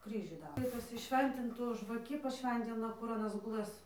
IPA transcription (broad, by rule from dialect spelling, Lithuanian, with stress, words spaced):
ˈkrʲiːʒʲuː ˈdɑːroː ˈtɐs pɐsʲɪˈʃʲʋʲɛnʲtʲɪntʊ ʒʋɐˈkʲɪ pɐˈʃʲʋʲɛnʲtʲɪnɐ kʊr ɐˈnɐs ɡʊˈlˠɘs